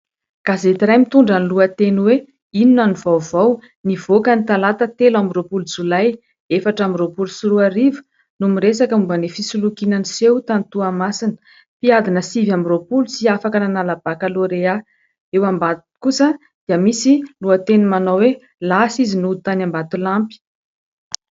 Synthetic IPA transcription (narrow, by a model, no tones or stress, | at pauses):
kazet̪iɾajmit̪uɳɖ͡ʐanluat̪enuwe | ininanivavaw | nivokənit̪alat̪ət̪elamiropuld͡zulaj | efaʈ͡ʂamiropulusuɾuaɾivə̥ | numiɾesakəumbənefisulukinanisewt̪ant̪uamasinə̥ | piad̪inəsivamiropulusiafakananalab̥akaloɾea | ewambat̪kusə | d̪̥iəmisiluat̪enumanawwe | lasizinut̪anambat̪ulampi̥